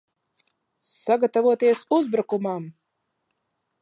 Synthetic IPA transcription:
saɡat̪avuɔt̪iɛsuzbɾukumam

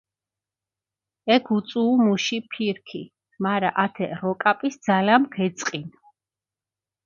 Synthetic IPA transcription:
ɛkʰut̪sʼuːmuʃipʰiɾkʰḭ | maɾaʔat̪ʰɛ̰ɾɔkʼapʼisd̪zalamɡɛt̪sʼqʼin

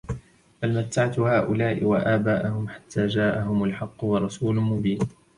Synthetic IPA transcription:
balmat̪ːaʕat̪haːʔʊlaːʔɪwaʔaːbaːʔʊhʊmħḁt̪ʰːaːd͡ʒaːʔaɦʊmalħɑqːʊwɑɾˤɑsuːlʊmʊbiːn

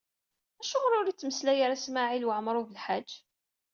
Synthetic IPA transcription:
æʃumɾʊɾit͡sːməslæjaɾæsmaʕilwəʕmɾˤuvəlħad͡ʒː

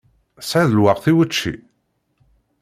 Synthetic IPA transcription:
sʕaðəlwaʁθiwət͡ʃːḭ

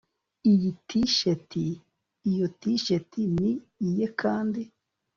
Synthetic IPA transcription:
ijitʰiʃetiː | jotiʃetiniː | jekʰaːndi

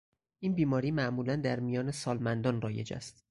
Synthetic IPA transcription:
ʔiːnbiːmɒːɾiːmæʔmuːlænd̪æɾmijɒːnesɒːlmænd̪ɒːnrɒːje̞d͡ʒæ̰st̪

